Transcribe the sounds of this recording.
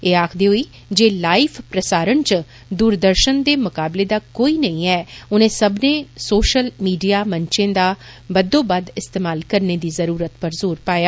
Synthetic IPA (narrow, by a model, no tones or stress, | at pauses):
eːaːkʰd̪eːɦoiː | d͡ʒeːlaːipʰpɾəsaːɾənt͡ʃ | d̪uːɾd̪əɾʃənd̪eːmʊkaːbleːd̪aːkoːiːnəĩːɛːʊnẽːsəbnẽːsoːʃəlmiːɖijaːməɲt͡ʃẽːd̪aː | bəd̪õːbəd̪ɪst̪eːmaːlkəɾneːd̪iːzəɾuːɾət̪pəɾzoːɾpaːjaː